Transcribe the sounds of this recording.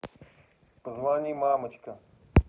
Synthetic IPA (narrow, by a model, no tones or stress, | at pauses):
pɐzvanʲijmamət͡ɕkə